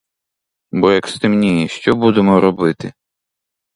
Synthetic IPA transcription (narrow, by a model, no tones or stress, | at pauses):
bɔjɐkst̪ɪmnʲijɛʃt͡ʃɔbud̪emɔɾɔbɪt̪ɪ